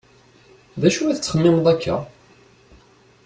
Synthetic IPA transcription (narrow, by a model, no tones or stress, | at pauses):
ðæʃuæθət͡sːəχəmːɪmd̪ˤækːæ̰